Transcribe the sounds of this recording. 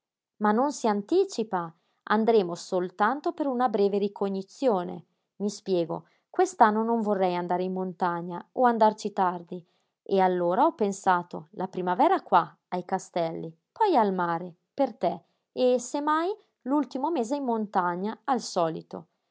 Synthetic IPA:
manːonsiant̪iːt͡ʃipa | a̰nd̪ɾeːmosolt̪ant̪opeɾunabɾɛːveɾikʰoɲːit̪sːjoːnḛ | mispjɛːɡo̰ | kwest̪anːonoɱvorːɛjand̪aːɾeimmːont̪aɲːaoand̪art͡ʃit̪ard̪i | ealːoːɾaɔpːensaːt̪o̰lapɾimavɛːɾakwa | ajkast̪ɛlːi | pʰɔjalmaːɾe | pert̪ɛ | esemːaj | lult̪imomeːzeimːont̪aɲːaːlsɔːlit̪o̰

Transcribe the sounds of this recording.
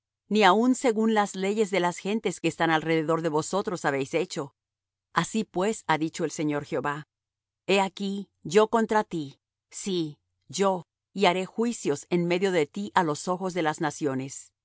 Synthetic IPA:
niaunse̞ɣunlazle̞ʝe̞zðe̞lasxe̞nt̪e̞ske̞ːst̪analre̞ðe̞ðo̞ɾðe̞βo̞so̞t̪ɾo̞saβe̞jse̞t͡ʃo̞ | asipwe̞saðit͡ʃo̞e̞lse̞ɲo̞ɾxjeo̞βa | e̞aki | ʝo̞ko̞nt̪ɾat̪i | si | ʝo̞ | iaɾe̞xwisjo̞se̞nme̞ðjo̞ðe̞t̪iʔalo̞so̞xo̞zðe̞laznasjo̞ne̞s

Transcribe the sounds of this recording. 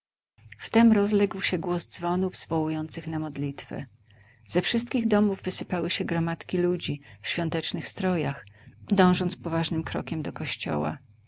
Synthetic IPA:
ft̪ɛmɾɔzlɛɡwɕɛɡwɔzd̪zvɔnuvz̥vɔwujɔnt̪sɘxnamɔd̪lʲit̪fɛ̰ | z̥ɛfʂɘst̪̚kʲiɣd̪ɔmuvːɘsɘpawɘɕɛɡɾɔmat̪kʲilud͡ʑifɕfʲjɔ̃nt̪ɛt͡ʂnɘxst̪ɾɔjaxd̪ɔ̃w̃ʐɔnt̪spɔvaʐnɘmkɾɔ̰kʲɛmd̪ɔkɔɕt͡ɕɔ̰wa̰

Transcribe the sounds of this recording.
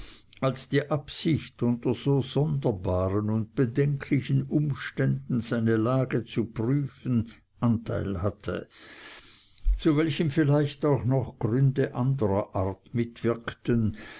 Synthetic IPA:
alsd̥iːʔapsɪçtʊntɐz̥oːz̥ɔndɐbaːʁənʊnt̚b̥ədɛŋkʰlɪçənʔʊmʃtɛndn̩z̥aɪnəlaːɡət͡supʁ̥yːfən̩ | ʔantʰa̰ɪlhatʰə̰ | t͡suvɛlçəmfɪlaɪçtaʊxnɔxɡ̥ʁʏndəʔandəʁɐʔaɐtmɪtv̥ɪɐktən

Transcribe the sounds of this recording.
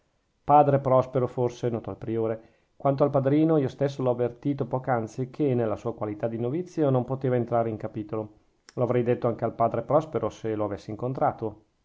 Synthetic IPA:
paːd̪ɾepɾɔspeɾoforsenɔːt̪oalpɾioːɾe | kwant̪̬oalpad̪ɾiːnoiost̪esːolɔavːert̪iːt̪opɔːkant̪sikʰenelːasuːakwalit̪ad̪inovit̪sːjonompot̪eːvaent̪ɾaːɾeiŋkapiːt̪olo | loavɾɛjd̪et̪ːoaŋk̟ealpaːd̪ɾepɾɔspeɾʔoseloavesːeiŋkont̪ɾaːt̪o

